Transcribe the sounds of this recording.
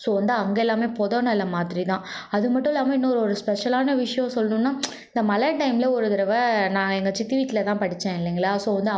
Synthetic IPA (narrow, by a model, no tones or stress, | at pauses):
soːʋɐnd̪ɯɐŋɡeɛlːaːmeːpɔðɐːnɐ̃ɛlːɐmaːt̪ɪɾit̪ãːɐðɯmɐʈːʊ̃ɛlːaːmɐɪnːɐɔɾɯɔɾɯspɛʂɐlaːnɐʋɪʂɐjɔ̃sɔlːɐnũnːaː | ɪnd̪ɐmɐlɐʈːɐɪmɪlɐɔɾɯðɪɾɐʋɐnãːɛŋɡɐt͡ʃɪt̪ːiʋiːʈːɪlɐt̪ãːpɐɽɪt͡ʃːẽːɪlːiŋɡɐɭaːsoːʋɐnd̪ɯ